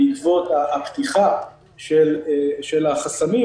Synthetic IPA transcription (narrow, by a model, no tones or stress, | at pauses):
it͡svot̪aːpt̪iχa | ʃelʃelaχasami